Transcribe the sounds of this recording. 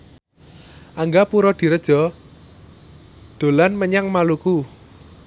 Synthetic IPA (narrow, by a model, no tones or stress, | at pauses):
ʔaŋɡapuɾɔd̪̥i̤ɾəd̥ʒ̥ɔ̤ | d̪̥o̤lanməɲaŋmaluku